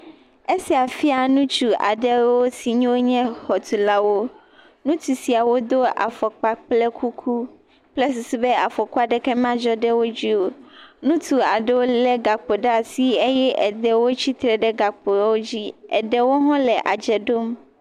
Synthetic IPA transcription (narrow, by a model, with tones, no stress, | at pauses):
e˦si˨a˨fi˦a˨nũ˦t͡ʃu˨a̰˨ɖɛ˦wo˦si˨ɲũ˦wo˦ɲɛ̃˦hɔ˨t̪ʰu˨la˦wo˦ | nũ˦t̪u˨si˨a˨wo˦d̪o˦a̰˨fɔ˨k͡pa˨k͡plɛ˦kʰu˦kʰu˦ | plɛ˦s̬i˨si˨bɛ˦a˨fɔ˨ku˦a˦ɖɛ˦kɛ˦m˦ã˦d͡ʒɔ˦ɖɛ˦wo˦d͡ʑi˦wo˦nũ˦t̪ʰu˨a˨ɖɛ˦wo˦lɛ˨ɡa˨k͡po˨ɖa˦si˦e˦jɛ˦ʔɛ˨d̪ɛ˨wo˦t͡ɕʰi˦t̪ɾɛ˨ɖɛ˦ɡa˨k͡po˨˦wo˦d͡ʑi˦ɛ̰˨dɛ˨wo˦ɦɔ̃˦lɛ˨ʔa̰˨d͡ʒɛ˨ɖo˦m